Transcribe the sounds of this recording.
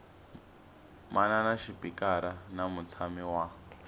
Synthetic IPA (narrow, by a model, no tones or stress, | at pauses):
mʔananaʃipikaɾanamut͡sʰamiwa